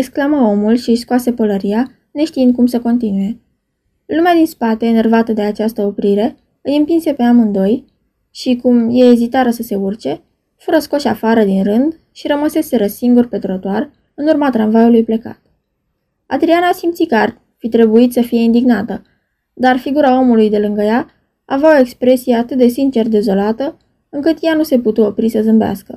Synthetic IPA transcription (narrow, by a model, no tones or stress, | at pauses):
eksklaməo̞mulʃiskoase̞pələɾia | ne̞ʃt̪iɨnd̪̚kumsəko̞nt̪inuje̞ | lumead̪inspat̪e̞ːne̞rvat̪əd̪e̞at͡ʃast̪əo̞pɾiɾe̞ | ɨjɨmpinse̞pe̞amɨnd̪o̞j | ʃikumje̞ːzit̪aɾəsəse̞urt͡ʃe̞ | fuɾəsko̞ʃafaɾəd̪inrɨnd̪ | ʃiɾəməse̞se̞ɾəsiŋɡurpe̞t̪ɾot̪oar | ɨnurmat̪ɾanvajulujple̞ka̰t̪ | a̰d̪ɾianasimt̪sikar | fit̪ɾe̞buit̪səfije̞ind̪iɡnat̪ə | d̪arfiɡuɾao̞mulujd̪e̞lɨŋɡəja | aveaoe̞kspɾe̞sijeat̪ɨt̪̚d̪esint͡ʃe̞rd̪e̞zo̞lat̪ə | ɨŋkɨt̪januse̞put̪uo̞pɾisəzɨmbea̰skə